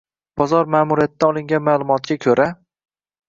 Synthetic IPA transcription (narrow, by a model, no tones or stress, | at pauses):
b̥ɒzɒɾmaːmʊɾijat̪̚ɪd̪aɒlˠɪŋɡʲanmaːlˠʊmɒt̪̚ɡʲakʲʰɵɾʔa